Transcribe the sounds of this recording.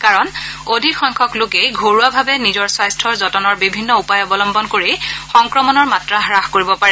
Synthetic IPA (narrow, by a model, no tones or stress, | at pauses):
kaɹɔnodʱikxɔŋkʰɔklʊkejɡʱoɹuabʱabɛnizɔɹswajstʰɔɹzɔtɔnɔɹbibʱinːɔupajɔbɔlɔmbɔnkoɹixɔŋkɹɔmɔnɔɹmatɹaɦɹaxkoɹibɔpaɹɛ